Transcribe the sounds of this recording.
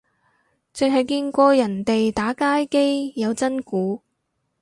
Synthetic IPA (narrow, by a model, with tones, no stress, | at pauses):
t͡sɵ˨˧ŋɦɐ˨jkiː˧nkʷɔː˧jɐ˨˩nt̪e˨jt̪aː˨˥kaː˥jke˥jjɐ˨˧wt͡sɐ˥nkuː˨˥